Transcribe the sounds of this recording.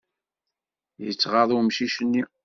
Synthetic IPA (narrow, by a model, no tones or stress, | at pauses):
jə̰t͡sːʁɑðˤʊmʃiʃənːi